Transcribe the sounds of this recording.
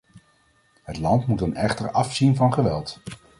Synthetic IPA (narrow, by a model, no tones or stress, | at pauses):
ɦətlɑntmutənɛχtəɹɑfsinvɑnχəʋɛlˠt